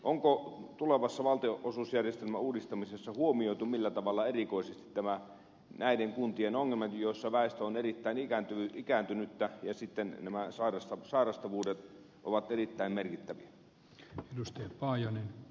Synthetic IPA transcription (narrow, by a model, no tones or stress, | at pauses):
ʔoŋkot̪uleʋɑsːɑʋɑlt̪eoʔosuːsjærjest̪elmæuːdist̪ɑmisesːɑhuomioˑit̪umilːæt̪ɑʋɑlːɑerikoˑisest̪i̥t̪tæmæ | næideŋkunt̪ienoŋːelmɑt̪joˑisːɑʋæˑest̪æonerit̪ːæinikænt̪yyikænt̪ynyt̪ːæjɑsit̪ːennæmæsɑirɑst̪ɑsɑˑirɑst̪ɑʋuːdet̪ | ʔo̰ʋɑt̪erit̪ːæimmerkit̪ːæʋiæ | edust̪ɑjɑpɑːjɑnen